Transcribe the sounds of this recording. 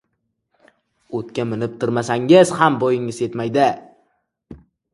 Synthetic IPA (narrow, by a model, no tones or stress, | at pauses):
ot̪̚kʲamɪnɪp̚t̪ʰʊɾmasaŋɪz̥hambɒjɪŋɪze̞t̪majd̪ɪ